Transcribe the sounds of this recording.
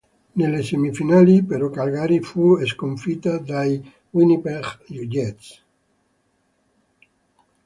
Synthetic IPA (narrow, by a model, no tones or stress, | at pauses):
nelesemifinalipeɾɔkalɡaɾifueskoɱfit̪ad̪aj | winipeʁjud͡ʒet̪s